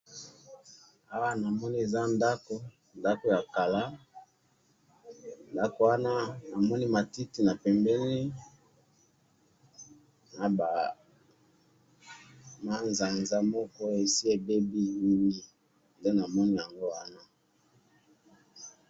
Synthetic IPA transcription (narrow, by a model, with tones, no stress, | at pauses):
a˦wa˦na˨mɔ˦ni˦e˨za˦nda˦ko˦ | nda˦ko˨ja˨ka˨la˦ | nda˦ko˨wa˦na˦na˨mɔ˦ni˦ma˨ti˦ti˨na˨pɛ˨mbɛ˦ni˦ | na˨ba˨ | ma˦nza˨nza˦mɔ˦kɔ˦e˨si˦e˨be˦bi˦i˦li˦ | nde˦na˨mɔ˦ni˦ja˨ŋɡo˦wa˦na˦